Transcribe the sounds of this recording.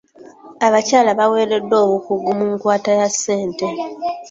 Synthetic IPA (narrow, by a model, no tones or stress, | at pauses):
aβacaːlaβawe̞ːɾe̞dːo̞ːβukuɡumuŋkwaːtajasːe̞ːnte̞